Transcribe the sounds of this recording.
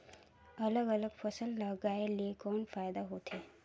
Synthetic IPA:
ɐləɡɐləɡfɐsəlːɐɡaːeliekɔːnfaːjd̪aɦoːt̪ʰeː

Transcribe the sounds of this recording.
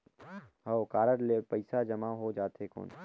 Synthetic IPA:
ɦaokaːɾəɾlepɐɪsad͡ʒɐmaɦod͡ʒaːt̪ɦeko̰ːn

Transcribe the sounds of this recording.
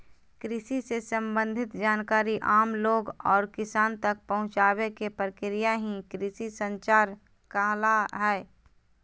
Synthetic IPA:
kɾɪsisesə̃mbə̃nd̪ʱɪt̪d͡ʒaːnkaːɾiʔaːmloːɡɔːɾkɪsaːnt̪ɐk̚pəɦʊ̃t͡ʃaːwekepɾəkɪɾijaɦĩkɾɪsisə̃nt͡ʃaːɾ | kəɦlaɦɛː

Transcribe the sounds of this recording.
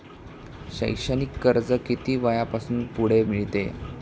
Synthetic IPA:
ɕə̰jɕənikːəɾd͡zəkit̪iːʋajapasuːnpuɽ̤emiɭt̪ḛ

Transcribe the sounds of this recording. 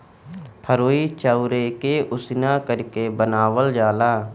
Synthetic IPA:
pʰəɾoːiːt͡ʃəʊɾekeʔʊsɪnaːkəɾkebənaːʋəld͡ʒaːlaː

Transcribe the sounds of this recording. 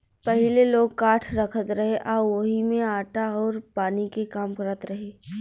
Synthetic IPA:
pɐɦɪleloːɡkaːʈʰɾɐkʰət̪ɾɐɦeʔaːʋɐɦimẽaːʈaɔːɾpaːnikekaːmkəɾət̪ɾɐɦeː

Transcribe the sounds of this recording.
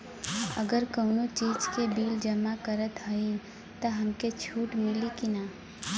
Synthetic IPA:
ə̰ɡəɾkəʊnot͡ʃiːd͡ʒkebiːld͡ʒəmːakəɾət̪ɦəi | t̪əɦəmket͡ʃʰuːʈmɪlikinaː

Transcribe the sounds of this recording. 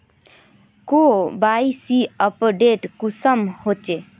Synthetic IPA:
kobajsiəpɖeʈkusəmhot͡ʃe

